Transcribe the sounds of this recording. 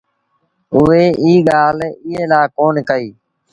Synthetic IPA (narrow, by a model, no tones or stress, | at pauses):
ʊʋeːʔiːɠaːlɪːɦeːlaːkoːnkəiː